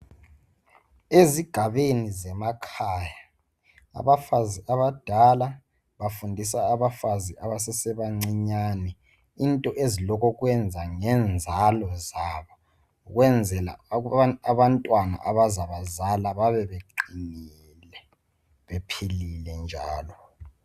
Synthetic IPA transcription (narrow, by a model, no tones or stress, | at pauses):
eziɡ̥ʱaβenizɛmakʰaːja | a̰βafaziaβad̥ʱala | βafundʱisaːβafaziaβasɛsɛβaŋ͡ǀiɲaːnɛ | intʼɔʔezilɔkʰɔɣwɛnd͡zʱaŋɛnd͡zʱalɔzaβɔ | uɣwɛnd͡zʱɛla̰aβantʼwana̰ʔaβazaβazalaβaβɛβeǃinii | lɛ | βepʰililɛnd͡ʒʱa̰ːlɔ